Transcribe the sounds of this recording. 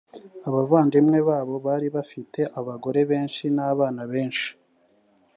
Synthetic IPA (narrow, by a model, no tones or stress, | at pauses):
aβavaːndimŋe̞βaːβo̞βaːɾiβafite̞ʔaβaɡo̞ɾe̞βe̞ːnʃinaβaːnaβe̞ːnʃi̥